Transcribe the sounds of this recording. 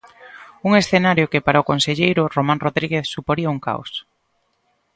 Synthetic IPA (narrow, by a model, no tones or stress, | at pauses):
uŋesθenaɾjʊkɪpaɾaʊkonseʎejɾʊromãŋroðɾiɣeθsupoɾiɐuŋka̰os